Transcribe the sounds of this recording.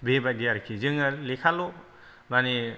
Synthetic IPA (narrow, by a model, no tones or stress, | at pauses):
bebadijaɾkʰizɯŋalekʰalɔ | mani